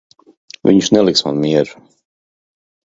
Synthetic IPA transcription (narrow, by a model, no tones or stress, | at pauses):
vḭɲʃnɛlˠiksma̰nmiɛɾu